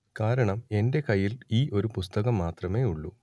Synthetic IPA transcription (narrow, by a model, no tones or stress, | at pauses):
kaːɾɐɳɐme̞nde̞kɐjːiliːʔo̞ɾupust̪ɐɣɐmːaːt̪rɐme̞ːuɭːu